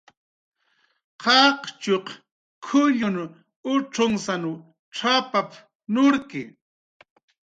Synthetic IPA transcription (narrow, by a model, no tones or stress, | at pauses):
qɑqt͡ʃoq | kʰʊʎʊnʊ | ʊʈ͡ʂoŋsanʊ | ʈ͡ʂapap | nʊɾkɪ